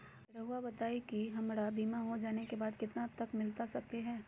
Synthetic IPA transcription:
ɾəɦuabɐt̪aːikiɦɐmɾabiːmaɦod͡ʒaːnekebaːd̪kɪt̪nat̪ɐkmɪlt̪asɐkeɦɛː

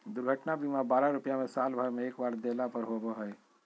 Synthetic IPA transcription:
d̪ʊɾɡʱəʈnabimabaːɾaɾʊpjamẽsaːlbʱəɾmẽeːkbaːɾd̪eːlapɐɾɦoboɦɛː

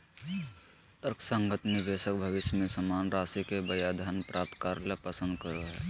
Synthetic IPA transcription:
t̪əɾksə̃ŋɡət̪mẽʋeːsək̚bʱɐʋɪʃjmẽsəmaːnɾaːsikebəjaːd̪ʱaːnpɾʔaːp̚t̪kaːɾlapəsə̃nd̪̚kəɾoɦɛ̰ː

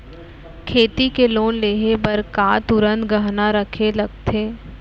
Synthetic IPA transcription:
kʰeːt̪ikeloːnleːɦebɐɾkaːt̪ʊɾə̃nt̪ɡɐɦnaɾɐkʰelɐɡ̚t̪ʰeː

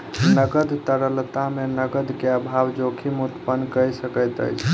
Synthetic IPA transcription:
nəɡəd̪t̪əɾəlt̪amenəɡəd̪keəbʱaʋd͡ʒokʰimut̪pənkəjsəkəjt̪ə̰jt͡ʃʰ

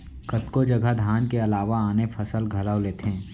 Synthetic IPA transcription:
kət̪kod͡ʒɐɡʱəd̪ʱjaːnkeɐlaːʋaaːnefʰɐsəlɡʱɐləwleːt̪ɦɛ̃ː

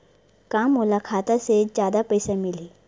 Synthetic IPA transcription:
kamːulakʰat̪ased͡ʑad̪apəjsamili

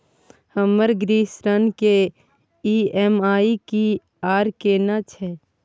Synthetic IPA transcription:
həməɾɡɾiːsɾənke | iːɛmaːiki | aːɾkeːnat͡ʃʰɛ

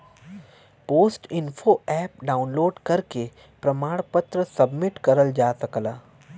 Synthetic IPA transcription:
poːsʈɪnfʰoɛːp̚ɖaːʊnloːɖkɐɾke | pɾɐmaːɽpət̪ɾəsɐbmɪʈkɐɾəld͡ʒaːsɐklaː

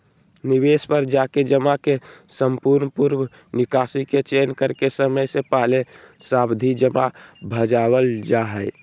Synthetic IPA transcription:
nibespəɾd͡ʒaked͡ʒəmakesəmpuɾnpuɾm | nikasiket͡ʃenkəɾkesəməjsepaɦlesabd̪ʱid͡ʒəmabʱəd͡ʒabəld͡ʒaɦəj

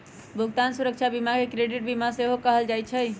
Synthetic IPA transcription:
bʱuɡt̪ansuɾək̚t͡ʃʰabimakekɾeɖiʈ̚bimaseɦokəɦəld͡ʒajt͡ʃʰəj

